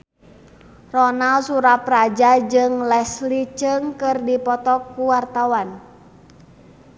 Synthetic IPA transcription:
rɔnalsuɾaprad͡ʒad͡ʒɨŋlɛslit͡ʃɨŋkɨrdipɔt̪ɔkːuwart̪awan

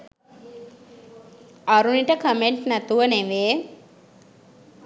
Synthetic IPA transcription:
aɾuniʈəkəmeɳʈnæt̪uʋəneʋeː

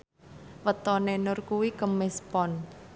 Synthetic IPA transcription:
wət̪ɔnenʊrkuwikəmɛspɔn

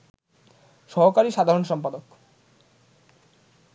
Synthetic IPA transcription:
ʃɔɦokaɾiʃad̪ʱaɾonʃɔmpad̪ok

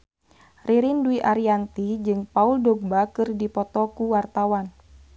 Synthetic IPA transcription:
riɾinduiʔaɾiant̪id͡ʒɨŋpauldɔɡ̚bakɨrdipɔt̪ɔkuwart̪awan

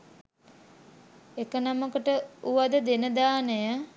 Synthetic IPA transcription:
ekənaməkəʈəuʋad̪əd̪enəd̪aːnəjə

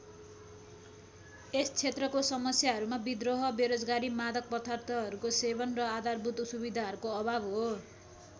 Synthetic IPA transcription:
est͡sʰet̪rʌkosʌmʌsjaɦʌɾumabid̪roɦʌbeɾod͡zɡaɾimad̪ʌk̚pʌt̪ʰart̪ʰʌɦʌɾukosebʌnrʌad̪arbut̪usubid̪ʱaɦʌɾukoʌbʱabɦo

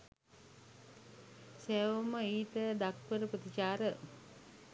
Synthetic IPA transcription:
seʋoməiːt̪əd̪ak̚ʋəɾəpət̪it͡ʃaːɾə

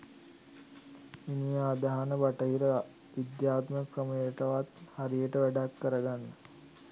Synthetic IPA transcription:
ʋinijaːd̪aɦanəʋaʈəɦiɾə | ʋid̪jaːt̪məkrəməjəʈəʋat̪haɾijəʈəʋæɖakːəɾəɡanːə

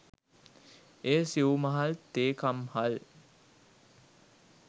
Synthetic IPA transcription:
eːsiumɐɦalt̪eːkamhal

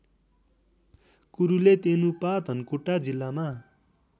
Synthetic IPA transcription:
kuɾulet̪enupad̪ʱʌnkuʈːad͡zilːama

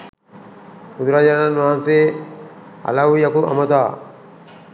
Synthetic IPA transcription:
ud̪uɾad͡ʒaɾananʋaɦanse | ɐ̰laʋujɐkuʔɐ̰mɐt̪aː

